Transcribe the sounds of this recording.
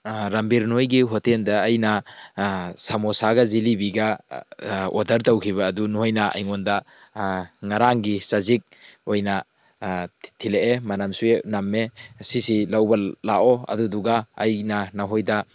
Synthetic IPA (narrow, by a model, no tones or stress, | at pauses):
ɾɐmbiɾnojɡiɦɔtʰendɐːjna | samosaɡɐzilibiɡɐ | ɔdɐɾtɐwkʰiβɐːdunuhojnaɐ̰jŋondɐ | ŋaɾaŋɡisazik̚ojna | tʰileʔemanamsuenamːesisilawbɐlaʔɔɐ̰duduɡaːjnanaɦojda